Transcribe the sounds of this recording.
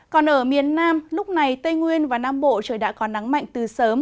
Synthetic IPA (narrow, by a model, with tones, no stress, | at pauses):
kɔ˨˩nʔəː˧˩mi˨˩ənːaː˧mlʊ˦˥k͡p̚na˨˩jt̪ə˧jŋwi˧ənvaː˨˩naː˧mɓo̰˧˨t͡ɕəː˧˩jɗa̰ː˧˥kɔ˨˦na˨˦ŋma̰˧˨jŋ̟t̪ɨ˨˩səː˨˦m